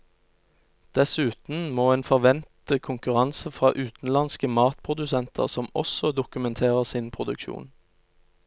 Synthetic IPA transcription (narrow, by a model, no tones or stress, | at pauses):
d̪̥ɛsʉːt̪n̩moːeːnfɔʁʋɛnt̪əkʰʊŋkʉʁɑnsəfʁɑːʔʉːt̪n̩lɑnskəmɑːt̪pʰʁʊd̪ʉsɛnt̪ʰə̰ʁsɔmɔ̰sɔd̪ʊkʉmɛnt̪ʰeːʁəʁsiːnpʰʁʊd̪ʉkʃṵːn